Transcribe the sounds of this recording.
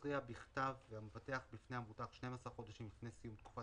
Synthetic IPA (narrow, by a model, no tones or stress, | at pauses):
ʁiabiχt̪avːeamefat̪e̞aχbifne̞amut̪aχʃne̞masaʁχo̞d̪aʃimifnesijumt̪̚ku̥fa